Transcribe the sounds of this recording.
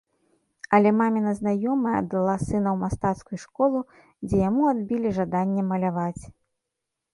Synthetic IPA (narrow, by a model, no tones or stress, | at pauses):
ɐlʲɛmamʲinɐznajɔmɨjɐ̰d̪lˠasɨnɐwmast̪at̪skujuʂkɔlˠu | d͡zʲɛjamuad̪̚bʲilʲiʐad̪anʲːɛmɐlʲavat͡sʲ